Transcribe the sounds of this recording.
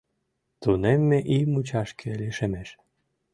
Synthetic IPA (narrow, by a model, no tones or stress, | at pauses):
t̪unemːeʔimut͡ɕɑʃkʰeliʃemeʃ